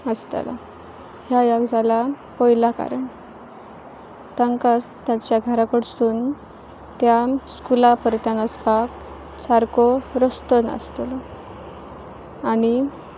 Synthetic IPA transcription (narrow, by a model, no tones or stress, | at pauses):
əst̪a̰la̰ | ɦjajaɡd͡zʱala | pɔjlaka̰ɾəɳ | t̪əŋkas | t̪jat͡ɕjaɡʱəɾakəɽsuːn | t̪jaskulapəɾt̪anəspak | saɾkɔɾəst̪ənə̰st̪lɔ | aɽi